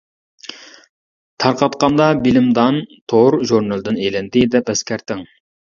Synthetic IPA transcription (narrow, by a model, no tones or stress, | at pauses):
t̪ʰɑɾqɑt̪qɑnd̪ɑbilɪmd̪ɑnt̪ʰoɾʒuɾnɑlˠd̪ɨnejlɪnd̪ɪd̪ɛpɛskʲæɾt̪ɪŋ